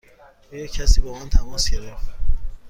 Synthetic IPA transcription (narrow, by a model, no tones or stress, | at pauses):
ɔːjɒcʰæsiːbɔmænt̪ʰæmɒːsɟeɾeft̪